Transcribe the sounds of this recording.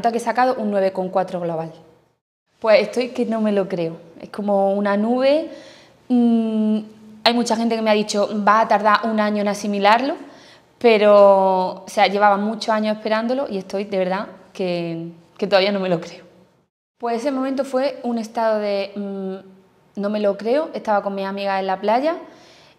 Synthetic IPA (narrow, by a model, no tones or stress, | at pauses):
t̪akesakaðoʔunːwe̞β̞e̞ko̞ŋkwat̪ɾoɣloβ̞al | pwe̞sest̪o̞jke̞nõ̞me̞lo̞kɾe̞oe̞̰hko̞mo̞unanuβ̞e̞ | ajmut͡ʃaxent̪eke̞meaðit͡ʃo̞baːt̪aɾðaʔunãɲoenasimilaɾlo̞ | pe̞ɾo̞oseaʝe̞β̞aβamut͡ʃoaɲose̞hpe̞ɾand̪o̞lo̞ʔie̞st̪o̞jðe̞βe̞ɾðake | ket̪oðaβianome̞lo̞kɾe̞o | pweses̬e̞mõmẽnt̪̬ofwe̞une̞st̪aðo̞ðe̞ | nõ̞me̞lo̞kɾe̞oʔe̞st̪aβako̞ŋmisamiɣase̞laplaʝa